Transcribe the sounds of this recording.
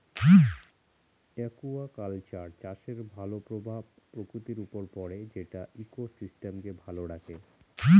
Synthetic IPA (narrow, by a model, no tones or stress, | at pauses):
ɛkuakalt͡ɕaɾt͡ɕaʃeɾbʱalopɾobʱabpːɾokɾut̪iɾupoɾpɔɽed͡ʑeʈaʔikosisʈemkebʱaloɽake